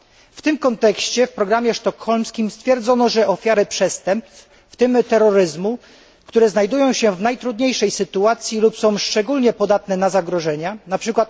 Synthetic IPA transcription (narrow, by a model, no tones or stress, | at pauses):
ft̪ɘmkɔnt̪ɛkɕt͡ɕɛfpɾɔɡɾamʲjɛʂt̪ɔkxɔlmskʲimst̪fʲjɛɾd̪zɔnɔʐɛʔɔfʲjaɾɘpʂɛst̪ɛmpst̪ | ft̪ɘmt̪ɛɾːɔɾɘzmu | kt̪uɾɛznajd̪ujɔ̃w̃ɕɛvnajt̪ɾud̪ɲejʂɛjsɘt̪uat̪sʲjilupsɔ̃w̃ʂt͡ʂɛɡulɲɛpɔd̪at̪nɛnazaɡɾɔʐɛɲanapʂɘkwat̪